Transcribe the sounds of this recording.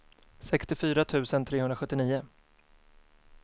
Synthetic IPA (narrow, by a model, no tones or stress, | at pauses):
sɛkst̪ɪfyːɾat̪ʰʉ̟ːsənt̪ʰɾeːhɵnɾaɧɵt̪ːɪniːʊ